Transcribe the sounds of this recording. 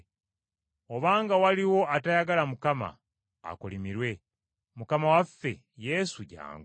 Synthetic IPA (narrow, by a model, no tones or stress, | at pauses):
o̞βaːŋɡawaliwo̞atajaɡalamukama̰ː | kolimiɾwe̞ | mukamawafːe̞̰ | je̞suɟa̰ːŋɡ